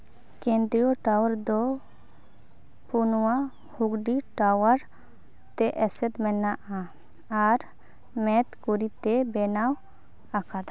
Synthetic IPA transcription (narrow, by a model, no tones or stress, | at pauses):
kẽnd̪ɾijoʈawaɾd̪ɔ | punuwa | huɡɖiʈawaɾ | t̪ɛʔɛsɛt̪mɛnaʔaː | ɾ | mɛt̪kuɾit̪ɛbɛnaw | akʰad̪a